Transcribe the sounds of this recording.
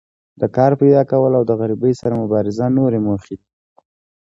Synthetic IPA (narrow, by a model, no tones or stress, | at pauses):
d̪̥əkɑɾpajd̪ɑkawəlawd̪əɣaɾibəjsaɾamʊbɑɾɪzanoɾemoxid̪i